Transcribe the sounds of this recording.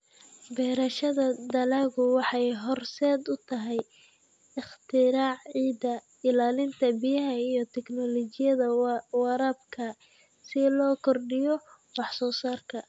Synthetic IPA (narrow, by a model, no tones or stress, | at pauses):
bɛːɾɐʃɐðɐd̪ɐlaɣʊwɑħɑjɦɔrsɛːd̪ʊt̪ʰɐɦɛj | ɪχt̪ʰɪɾaːʕʕiːd̪ɐ | ɪlaːlɪnt̪ʰɐbɪjɐɦɐijɞt̪ʰɛknɔlɔt͡ʃɪjɐðɐwɑɾɐb̚kʰɐ | sɪlɔːkʰɔrɖɪjɔ | wɑħsɔːsaːrkʰɐ